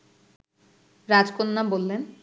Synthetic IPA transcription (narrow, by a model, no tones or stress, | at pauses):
ɾad͡ʑkonːabolːen